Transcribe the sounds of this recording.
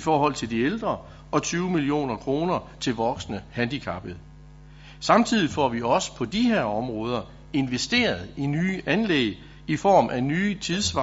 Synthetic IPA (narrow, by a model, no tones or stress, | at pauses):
ifɒːhɒ̽l̰t͡sʰe̝ld̥ield̥ʁɐ | ɒ̽t͡sʰyːʊmilio̝̰ːnɐkʰʁo̝ːnɐt͡sʰe̝lʋɒ̽ɡ̥snəhænd̥ikʰæb̥əð̩ˠ | sɑ̈mt͡sʰið̞̰ˠifɒ̰ʋiɒ̽sə̥pʰɒ̽d̥iɦe̝ɐɒ̽mʁɔ̽ːð̞ˠɐ | e̝nʋesd̥e̝̰ːɐð̩ˠinyːʔænlḛɡ | ifɒ̰ːmʔænyːt͡sʰiðˠsʋɑ